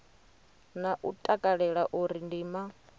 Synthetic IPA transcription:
naʔutʼakʼaɺɛɺaʔuɾindiːma

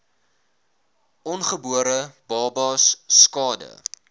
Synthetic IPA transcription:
ʔɔnχəbuəɾəbɑːbɑːsːkɑːdə̰

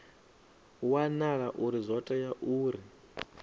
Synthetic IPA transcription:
wanaɺaʔuɾizʷɔtʼajaʔuːɾi

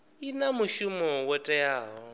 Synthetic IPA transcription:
inamuʃumɔwɛtʼɛjaːɦɔ

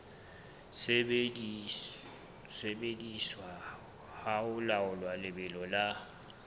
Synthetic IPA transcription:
sebediswa | haʊlaʊlwalɪbɪlɔla

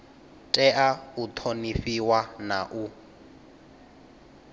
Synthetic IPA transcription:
tʼɛʔaut̪ʰonifiwanaʔu

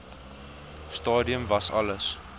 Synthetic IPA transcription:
stɑːdiəmvɐsɐ̰ləs

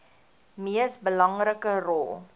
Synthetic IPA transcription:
miəsbəlɐŋrəkərɔlˠ

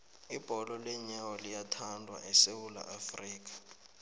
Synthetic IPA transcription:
ib̥ʱɔlɔlɛɲawɔlijatʰandʱwa̰ʔɛsewula̰ʔafriːk̬ḁ

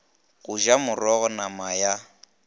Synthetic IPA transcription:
ɣʊʒamʊrɔɣɔnamaja

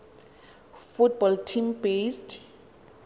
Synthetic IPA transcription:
fut̚bɔltʰimbest

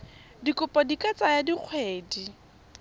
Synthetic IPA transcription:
dikʼʊpʼɔdikʼat͡sʼajadiq͡χʰweːdi

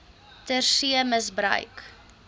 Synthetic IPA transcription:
tərsiəməsbrœ̰ɥk

